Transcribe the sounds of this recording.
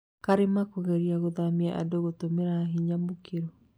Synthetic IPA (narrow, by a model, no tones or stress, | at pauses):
kaɾemakoɣɛɾiaɣoðamiɛʔa̰doɣotomeɾaɦiɲamukeɾɔ